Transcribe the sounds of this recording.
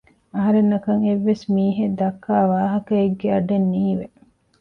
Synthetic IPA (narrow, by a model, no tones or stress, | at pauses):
ɐɦɐɾenːɐkɐŋeʋːesmiːɦed̪ɐkːaːʋaːɦɐkɐeɡːeɐɖenːiːʋe